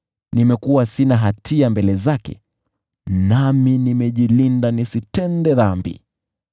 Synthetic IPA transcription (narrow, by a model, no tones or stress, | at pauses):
nimɛkuwasinaɦatʰiambɛlɛzakɛ̰ | naminimɛʄilindanisitɛndɛðambḭ